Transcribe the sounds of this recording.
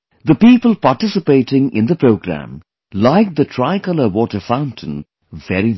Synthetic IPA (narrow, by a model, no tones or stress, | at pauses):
d̪əpiːpəlˠpaʈɪsɪpeɪʈɪ̃ŋɪ̰̃nd̪əpɾoʊɡɾæ̰̃m | laɪk̚d̪ətʰɾaɪkʌləwɔːʈəfãʊ̃ntʰə̃n | vɛɾi